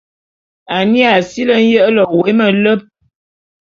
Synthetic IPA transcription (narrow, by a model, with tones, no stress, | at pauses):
a˨ni˦a˨si˦lə˦n̩˦jə˦ʔlɔ˨we˨˦mə˨lə˦p̚